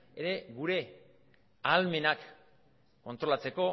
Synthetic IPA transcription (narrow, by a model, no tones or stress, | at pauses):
eɾe̞ɡuɾe̞ | alme̞nakː | o̞nt̪ɾo̞lat͡se̞ko̞